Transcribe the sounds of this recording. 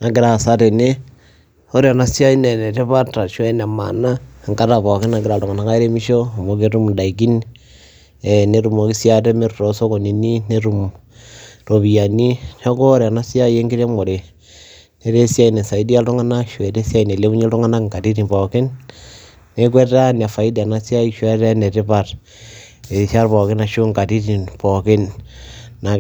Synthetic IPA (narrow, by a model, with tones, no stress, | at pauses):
na˨ɡɪ˨ɾa˨sa˦te˨ne˦ | o˦ɾja˨na˦sja˦i˦ne˨ne˨te˦pa˦ta˨ʃwɛ˦na˨ma̰˨na˦˨ŋka˦ta˨pɔ˨kɪ˦na˨ɡɪɾa˨ltu˨ŋa˨na˨˦ka˦e˦ɾe˦mi˦ʃo˦˨mo˨k̬e˦ɾu˦mda˨i˨k̬i˦n | ɛ˨ne˦ɾu˨mo˨˦ki˦sja˦te˦me˦ɾto˨so˦ko˨ni˨ni˦ne˦ɾu˨m | ro˨βi˨ja˨ni˦no˦ko˦ɾe˨a˨na˦si˦a˦je˦ŋɡi˦ɾe˦mo˨ɾe˨ | ne˨ɾe˦sja˦i˨ne˨sa˨i˦di˦a˦ltu˦ŋa˦na˦ʃwe˨te˦sja˦i˨ne˨le˦u˦ɲe˦lu˦ŋa˦na˦ŋka˨ti˦ɾi˨mpo˨ke˦nː | e˦kwe˦a˦ni˨a˨fa˨i˦da˨na˦sja˦i˦ʃwa˦ɾa˦ne˨ɾe˦pa˦t | e˨sa˦ɾpo˨ke˦na˨ʃu˦ŋka˨ti˦ti˨npɔ˨ke˦nː | a˨